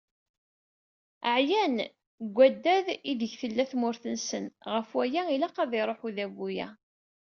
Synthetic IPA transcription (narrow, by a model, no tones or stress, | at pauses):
əʕjæn | ɡʷːæd̪ːæðiðəçθəlːæθmʊɾθənsənʁəfwæjæilæqɑðɪɾˤoħuðæbujæ̰